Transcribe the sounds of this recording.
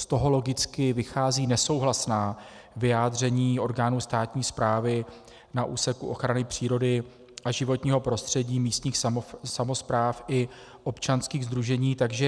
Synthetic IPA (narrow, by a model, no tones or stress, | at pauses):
st̪o̞ɦo̞lo̞ɡɪt͡skɪvɪxaːziːnɛso̞wɦlasnaː | vɪjaːd̪r̝ɛɲiːo̞ɾɡaːnuːst̪aːt̪ɲiːspɾaːvɪ | naʔṵːsɛkuʔo̞xɾanɪpr̝̥iːɾo̞dɪ | ʔaʒɪvo̞t̪ɲiːɦo̞pɾo̞st̪r̝̥ɛɟiːmiːst̪ɲiːxsamo̞spɾaːfʔɪ | ʔo̞pt͡ʃanskiːɣzd̪ɾuʒɛɲiːt̪aɡʒɛ